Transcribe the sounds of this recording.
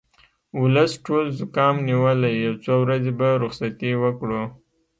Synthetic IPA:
ʊləsʈolzʊkɑmniwəlajawt͡sowɾazebaɾʊxsat̪iwəkɽo

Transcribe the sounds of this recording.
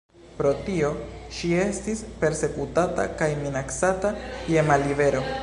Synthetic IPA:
pɾo̞tio̞ʃie̞stispe̞ɾse̞kutata̰kajminaksatakiemalive̞ɾo̞

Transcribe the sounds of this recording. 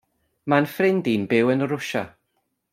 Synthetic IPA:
manfrɪndinbɪwənɾʊʃa̰

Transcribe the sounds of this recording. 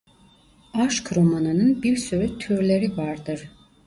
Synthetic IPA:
aʃkɾomananɯnbiɾsyɾɛt̪ʰyɾlʲeɾivaɾd̪ɯɾ̥

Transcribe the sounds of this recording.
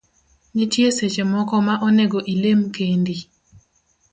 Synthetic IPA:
ɲɪtjeset͡ʃemɔkɔmaʔɔneɡoʔilemkendi

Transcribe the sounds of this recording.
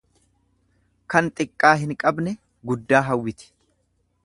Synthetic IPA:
kɐnt̪ʼɪkʼːaːɦɪŋkʼɐbnɛ | ɡʊd̪ːaːɦɐwːɪt̪ɪ̥

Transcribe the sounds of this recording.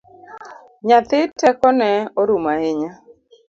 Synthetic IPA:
ɲat̪ɪtɛkɔnɛɔɾumaɪɲa

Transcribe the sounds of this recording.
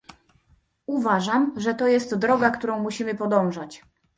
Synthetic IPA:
uvaʐamʐɛt̪ɔjɛst̪d̪ɾɔɡakt̪uɾɔ̃w̃muɕimɘpɔd̪ɔ̃w̃ʐat͡ɕ

